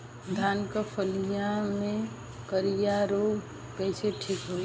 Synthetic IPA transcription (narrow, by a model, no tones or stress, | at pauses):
d̪ʱaːnkəpʰəlijamẽ | kəɾijaɾoː | kəɪseʈʰikɦoːi